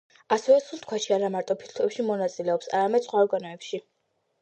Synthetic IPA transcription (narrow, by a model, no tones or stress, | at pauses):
asɛvɛsulˠt̪̚ʰkʰwaʃiaɾamaɾt̪ʼɔpʰiɾt̪ʰuɛpʃimɔnat̪sʼilɛɔpsa̰ɾamɛd̪̥sχwaɔɾɡanɔɛpʃi